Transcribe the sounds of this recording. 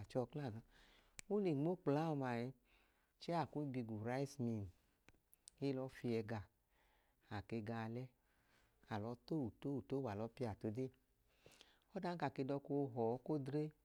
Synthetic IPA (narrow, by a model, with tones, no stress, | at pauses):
t͡ʃɔ˧kla˦˨na˨˧ | o˦li˨ŋ͡mo˦k͡pla˦ɔ˧ma˨jɛ˧ | t͡ʃɛ˦a˨ku˦bi˧ɡu˨ɾa˨˦i˦smi˧˨n˨ | e˦lɔ˧˦fi˧ɛ˧ɡa˧˨ | a˨ke˧ɡa˧˨lɛ˦ | a˨lɔ˧˦to˦˨wu˨to˦wu˨to˦wa˨lɔ˨˧˦pi˦˧˦a˨to˧de˦˨ | ɔ˦da˦ka˨ke˧dɔ˧ko˧ɦɔ˨˦ko˦dɾe˦